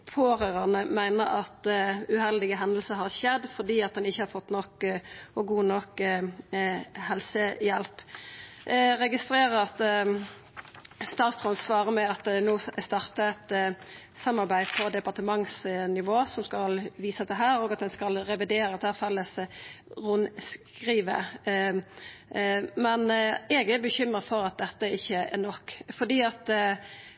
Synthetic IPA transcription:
pʰoːʁøːʁɑnəmæɪnəɾɑt̪ʉhɛld̪ɪɡəɦɛnd̪l̩səɾɦɑʁçɛd̪fɔɾd̪iːɑt̪̚d̪ɛnɪçːəhɑɾfɔt̪ːnɔkɔɡuːnɔk | hɛlsəjɛlp | ɾɛɡɪst̪ɾeːɾəɾɑt̪ | st̪ɑːt̪sʁɔnsʋɑːʁəmɛɑt̪noːst̪ɑːʁt̪əɛt̪ | sɑmːɑɾbæɪpʰɔd̪ɛpɑʁt̪əmɑŋsnɪʋoːsɔmskɑlʋiːsəd̪ɛɦæːɾoːɡɑt̪̚d̪ɛnskɑlɾɛʋɪd̪eːɾəɑt̪hæːfɛlːəsʁʊnskʁiːʋə̰ | mɛnɛɡɛbəçʏmɾəfɔɾɑt̪̚d̪ɛt̪ːəɪçːəæ̰nɔkːfɔd̪iːɑt̪

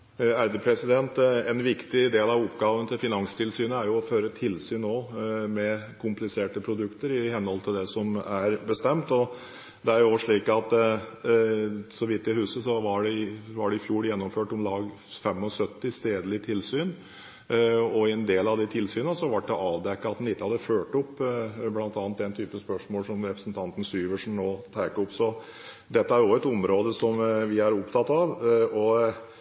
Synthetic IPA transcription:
æɾd̪əpʰɾɛsɪd̪ɛnt̪ɛnʋɪkt̪ɪd̪eːlɑʋʊpːɡɑːʋənət̪ʰɪlfɪnɑŋst̪ʰɪlsyːnəæɾjʊɔføːɾət̪ʰɪlsyːnnoːmɛkʰʊmplɪseːʈəpʰɾʊd̪ʉkt̪əɾɪhɛnːəhɔlt̪ʰɪld̪ɛsɔmæɾbəst̪ɛmt̪ɔ | d̪ɛæɾjʊoʋəʂɭiːkɑt̪ | sɔʋɪt̪ːɪhʉːsəsɔʋɑɖɛɪʋɑɖɛɪfjuːɾjɛnːɔmføːʈɔmlɑːɡ | fɛmːɔsœt̪ːɪst̪eːd̪əlɪt̪ʰɪlsyːn | ɔɛnd̪eːlɑʋd̪ɛt̪ʰɪlsyːnəsɔʋɑʈːd̪ɛʔɑːʋd̪ɛkːɑɑt̪d̪ɛnɪt̪ːəhɑd̪ːəføːʈɔpːblɑnt̪ɑːnt̪̚d̪ɛnt̪ʰyːpəspœʂmoːlsɔmɾɛpɾəsnt̪ʰɑnt̪ən̩syːʋəʂnnoːt̪ʰæːkəʊpsɔ | d̪ɛt̪ːəæɾjɔɛt̪ʊmɾoːd̪əsɔmʋɪæɾʊpt̪ʰɑt̪ːɑʋɔ

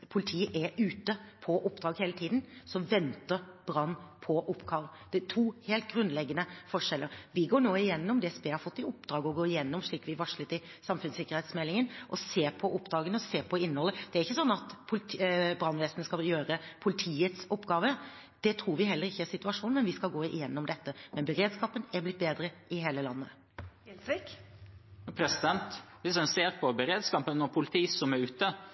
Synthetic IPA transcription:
pʰʊlɪt̪ʰiːəʔæɾʉːt̪əpʰɔʔʊp̚ːd̪ɾɑːɡheːlət̪ʰiːd̪n̩sɔʋɛnt̪əɾbɾɑnːpʰɔʔɔpːɡɑːʋəd̪̥ɛt̪ʰuːheːlt̪̚ɡɾʉnd̪lɛɡːənəfɔʂɛlːəɾʋɪɡoːɳoːɪjɛnːɔmd̪ɛsbeːhɑɾfɔt̪ːɪɔpd̪ɾɑːɡɔɡoːɪjɛnːɔmʂɭiːkːʋɪʋɑʂɭət̪ɪsɑmfʉnsɪkːəɾhɛːt̪smɛlːɪŋənʔɔseːpʰɔʔʊpːd̪ɾɑːɡənɔseːpʰɔɪnːəhɔlːəd̪̥ɛæɾɪçːəsɔnːɑt̪pʰʊlbɾɑnʋeːsənəskɑljøːɾəpʰʊlɪt̪ʰiːət̪sɔpːɡɑːʋə | d̪̥ɛt̪ʰɾuːɾʋɪɦɛlːəɾɪçːəæsɪt̪ʉɑʂuːnmɛnʋɪskɑlɡoːɪjɛnːɔmd̪ɛt̪ːəmɛnbəɾeːd̪skɑːpənɛɾblɪt̪̚beːd̪ɾəʔɪɦeːləlɑnːə | ɛlsɾɪk | pʰɾɛsɪd̪ɛnt̪ʋɪsɛnseːɾpʰɔbəɾeːd̪skɑːpənːɔpʰʊlɪt̪ʰiːsɔmæɾʉːt̪ə

